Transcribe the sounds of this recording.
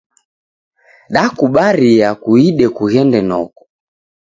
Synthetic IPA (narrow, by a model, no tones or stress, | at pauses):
ɗakuɓaɾiakuiɗɛkuɣɛndɛnɔkɔ̥